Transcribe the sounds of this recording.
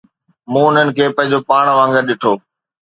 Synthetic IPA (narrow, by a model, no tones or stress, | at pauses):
mũːʊn̤ənɪ̆kʰeːpɐ̃ɦɪ̃ɲd͡ʑopaːɽ̃ʋãːŋɡəɾɗɪʈʰoː